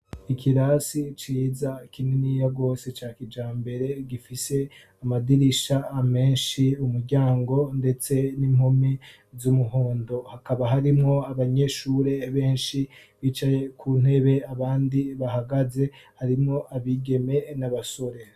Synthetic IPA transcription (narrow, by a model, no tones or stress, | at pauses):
ikʰiɾasit͡ʃiːzakininijaɡo̞ːse̞t͡ʃaːkid͡ʒaːmbe̞ɾe̞ɡifise̞ | amadiɾiʃaːme̞ːnʃiumuɾɟaːŋɡo̞nde̞t͡se̞nimhomi | zumuɦoːndo̞hakaβaɦaɾimŋo̞aβaɲe̞ʃuːɾe̞βe̞ːnʃi | βiːt͡ʃaje̞kʰuːn̥he̞βe̞aβaːndiβaɦaɡaze̞ | haɾimŋo̞ʔaβiɡe̞me̞naβaso̞ɾe̞